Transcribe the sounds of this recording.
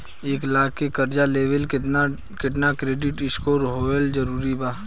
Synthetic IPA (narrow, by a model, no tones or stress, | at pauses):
eːklaːkʰkːekɐɾd͡ʒaleːʋəlk | kɪʈ̬nakɾeːɖɪʈɪskoːɾɦoːəld͡ʒɐɾuːɾibaː